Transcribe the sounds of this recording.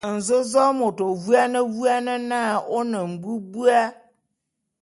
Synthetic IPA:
n̩˨zʊ˦zɔ˦mʊ˨to˨vu˦a˦nə̃˦wu˦a˦nɪ̃˦nã˦˨ʊ˦nə̃˨m̩˨bu˦bu˦a˦

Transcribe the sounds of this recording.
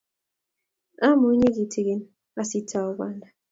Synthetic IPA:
a˦mu˨˦ɲe˦ki˨tʰi˨ɣi˦n | a˦si˦tʰa˦˨u˦ba˦nda˨

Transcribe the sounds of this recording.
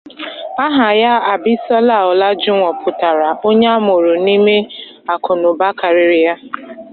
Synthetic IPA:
a˦ɦa˨ja˦a˨bɪ˦sɔ˦la˦˨ɔ˨la˦d͡ʒʊ˦ŋʷɔ˨pʰʊ˨ta˨ɾa˨ʔo˦ɲe˦a˦mʊ˨ɾʊ˨ni˦me˦ | a˨kʊ˨nʊ˨ba˦ka˨ɾɪ˨ɾɪ˨ja˦

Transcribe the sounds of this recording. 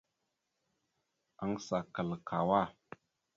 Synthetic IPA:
a˦ŋsa˨kə˨lkʰa˨wa˦˨

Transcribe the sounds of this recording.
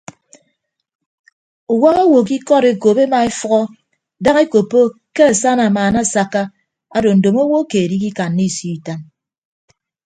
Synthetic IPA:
u˨wa˦ɣa˦wo˨ki˦kɔ˦ɾe˨ko˨be˦ma˨e˦fɔ˦ɣɔ˦ | da˦ŋe˦ko˨pːo˦ke˦a˨sa˦na˨maː˨na˦˨sa˨kːa˦ | a˨do˨n̩˨do˨mo˦wo˦keː˨ɾi˦k̬i˦ka˨nːi˦˨si˦i˨ta˦n

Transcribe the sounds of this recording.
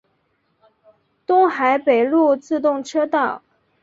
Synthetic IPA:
t̪ʊ˥ŋxa˧˥ɪpe˨˩ɪlu˥˧t͡sɹ̩˥˧t̪̬ʊ˥˩ŋʈ͡ʂʰɤ˥t̪ɑ˥˩ʊ

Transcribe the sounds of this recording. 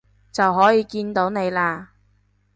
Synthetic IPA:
t͡sɐ˨wɦɔː˨˥jiː˨˧kiː˧nt̪o˨˥wne˨˧jlaː˧

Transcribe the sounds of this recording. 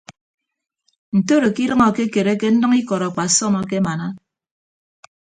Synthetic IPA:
n̩˨to˦ɾo˨ki˦ɾɨ˦ŋɔ˨ke˦ke˨ɾe˦ke˦n̩˦nɨ˦ŋi˦kɔ˨ɾɔ˨k͡pa˨sɔ˦mɔ˨ke˦ma˨na˦

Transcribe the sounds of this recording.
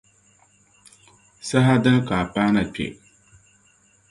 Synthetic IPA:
sa˦ɦa˦dɨ˦ŋka˨paː˦na˨pʲɛ̰˨

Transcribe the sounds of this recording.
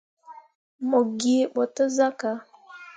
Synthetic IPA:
mo˨ɡi˨ɓɔ˨tə˦za˦ka˨

